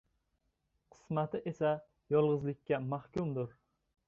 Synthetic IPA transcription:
qʰɨ̥smat̪ɪʔesa | jɒlˠʁɨzlˠɪkʲːamahkʲʊmd̪ʊɾ

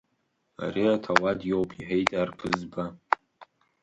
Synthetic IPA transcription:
a̰ɾiatʰawadjowpʼʰiħejtʼarpʰɨzba

